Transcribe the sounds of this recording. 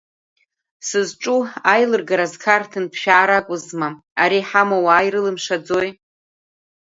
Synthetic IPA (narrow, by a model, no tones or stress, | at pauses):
sɨzʈ͡ʂʼuajlɨrɡaɾazkʰartʰɨnpʰʃᶣaːɾakʷʼʊzma | aɾiħamawaːjɾɨlɨmʂad͡zoj